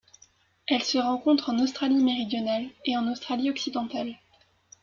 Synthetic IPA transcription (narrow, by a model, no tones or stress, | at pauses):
ɛlsəʁɑ̃kɔ̃t̪χɑ̃nost̪χalimeʁid̪jɔnaleɑ̃nost̪χaliɔksid̪ɑ̃t̪al